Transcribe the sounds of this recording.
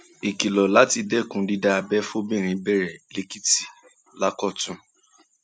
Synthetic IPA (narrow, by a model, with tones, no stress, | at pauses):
i˨ki˨lɔ˨la˨˦ti˧dɛ˦˨kũ˨˦di˧da˦˧a˧bɛ˦fo˦bɛ̃˦˨ɾ̃ĩ˧˦bɛ˦˨ɾɛ˨le˨˦ki˦ti̥˨ | la˦kɔ˦˨tũ˧˦